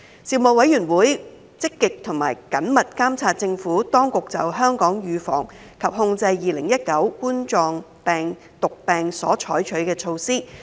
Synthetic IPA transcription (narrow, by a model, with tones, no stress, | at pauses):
siː˧˩mo˨˩wɐ˨˥jyː˨˩nwuː˨˥j | t͡sɪ˥kːɪ˨k̚t̪ʰʊ˨˩ŋma̰ː˨˩jkɐ˨˥nmɐ˨t̚kaː˥mt͡sʰaː˧t̚t͡sɪ˧ŋfuː˨˥t̪ɔː˥ŋkʊ˨k̚t͡sɐ˨wɦœː˥ŋkɔː˨˥ŋjyː˨˧fɔ̰ː˨˩ŋ | kʰɐ˨p̚hʊ˧ŋt͡sɐ˧jːiː˨lɪ˨˩ŋjɐ˥t̚kɐ˨˥wkuː˥nt͡ʃɔː˧ŋ | pɛː˨ŋ | t̪ʊ˨k̚pɛː˨ŋsɔː˨˥t͡ʃʰɔː˨˥jt͡ʃʰɵ˨˥ɥkɛː˧t͡ʃʰo˧wsiː˥